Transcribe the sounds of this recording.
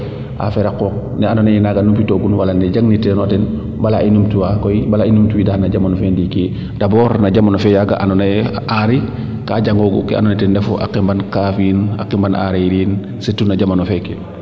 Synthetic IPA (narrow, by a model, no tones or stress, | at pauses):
ʔa̰fɛɾakɔk̚ | nɛanɔnajɛnaɡanumpitoɡunwalanɛɟaŋnitɛnwatɛn | balainumtuwakɔjbalainumtuwidahnaɟamanɔfɛndike | d̥abɔːɾnaɟamanofɛjaɡa̰ʔanɔnaʔaɾi | kaɟaŋɡoɡṵkḭa̰nɔnitɛndɛfuʔa̰kimbankafina̰kimbanʔa̰ɾiɾiːn | setunaɟamanɔfɛke